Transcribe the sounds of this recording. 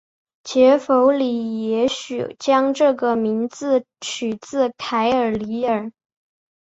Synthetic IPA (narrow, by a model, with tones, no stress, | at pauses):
t͡ɕʰjɛ˧˥fo˧˥ʊli˨˩jɛ˧˥ɕy̰˨˩t͡ɕjɑ˥ŋʈ͡ʂɤ˥˩ɡə˩mi˧˥ŋt͡sɹ̩˥˩ | t͡ɕʰy˨˩t͡sɹ̩˥˩kʰa˧˥ɪə˞˨˩li˧˥ə˞˨˩